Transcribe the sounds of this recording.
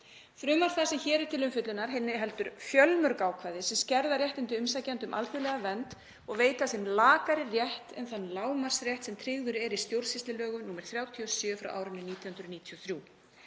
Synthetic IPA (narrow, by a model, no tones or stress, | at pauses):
fɾʏːmaɾ̥θasɛmçɛːɾɪɾ̥t̪ʰɪlʏmfɪt̪lʏnaɾ̥ɦɪnːɪɦɛlt̪ʏɾ̥fjœlmœɾkaːwkʰvaːjðɪsɛmscɛɾðaɾjɛht̪ɪnt̪̬ɪʏmsacant̪ʏmʔa̰lt̪ʏɾlɛːɣavɛnt̪ | ɔɣveːjt̪asɛmlaːkaɾɪrjɛht̪ɛnθanːlaːwmar̥srjɛht̪sɛmt̪ʰɾɪɣðʏɾɛɾist̪jowɾsɪst̪lɪlœːɣʏnuːmɛɾ̥θɾjaːwt̪ʰiɔsjœːfɾa̰wʔa̰ːwɾɪnɪniːt̪jɔhʏnɾʏniːt̪ʰiɔθɾjuː